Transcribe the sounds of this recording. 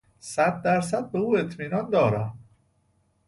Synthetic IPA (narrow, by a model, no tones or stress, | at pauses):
sæd̪ːæɾs̬æd̪̚be̞uːe̞t̪ʰmiːnɒnd̪ɒːɾæm